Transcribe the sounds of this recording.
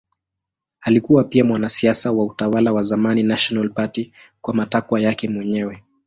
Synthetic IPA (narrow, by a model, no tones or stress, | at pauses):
alikuwapiamwanasiasawautawalawazamaninaʃɔnalpatikwamatakwajakɛmwɛɲɛwɛ